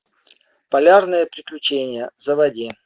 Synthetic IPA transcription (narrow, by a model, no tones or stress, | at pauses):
pɐlʲarnɨjəpɾʲɪklʲʊt͡ɕenʲɪjəzəvɐdʲi